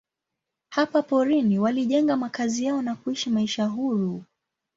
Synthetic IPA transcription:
hapapɔɾiniwaliʄɛŋɡamakazijaɔnakuiʃimaiʃaɦuɾu

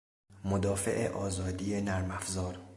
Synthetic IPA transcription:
mod̪ɒːfḛʔḛʔɒːzɒːd̪iːje̞næɾmæfzɒːɾ

